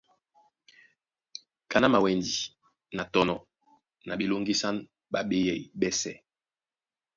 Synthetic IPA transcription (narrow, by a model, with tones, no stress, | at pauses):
ka˨na˦ma˨wɛ˨ndi˨ | na˨tɔ˨nɔ˨ | na˨bi˨lo˦ŋɡi˦sa˦n | ba˨be˦jɛ˨i˨bɛ˦sɛ˦